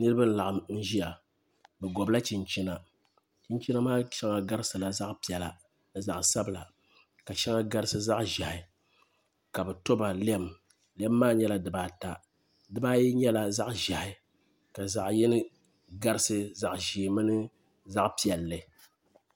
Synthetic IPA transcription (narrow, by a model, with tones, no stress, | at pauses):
nɨ˦ɾɨ˦bɨ˦n̩˦la˨ʔɨ˨mn̩˦ʒi˦ja˨ | bɛ˨ɡɔ˨bla˦t͡ʃi˨nt͡ʃi˦na˨ | t͡ʃi˦nt͡ʃɛ˦na˦maː˦ʃɛ˦ŋa˦ɡa˦ɾɨ˦sɨ˨la˨za˦ʔpi˨ɛ˨la˨ | nɨ˨za˨ʔsa˦bɨ˨la˨ | ka˨ʃɛ˦ŋa˦ɡa˦ɾɨ˦sɨ˦za˦ʔʒa˨hɪ˨ | ka˨bɛ˨to˦ba˨lɛ˦˨m | lɛ˦mːaː˦ɲɛ˦la˨dɨ˨baː˨ta˨ | dɨ˦˨baː˦ji˦ɲɛ˦la˦za˦ʔʒa˨hɪ˨˦ | ka˨za˨ʔjɛ˦nɨ˦ | ɡa˦ɾɨ˦sɨ˦za˨ʔʒiː˨mɨ˦nɨ˦ | za˦ʔpi˦ɛ˨lːɨ˨